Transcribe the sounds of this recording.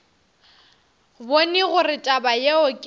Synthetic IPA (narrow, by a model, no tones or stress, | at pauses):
bonɪɣʊɾɪtʼabajeɔkʼ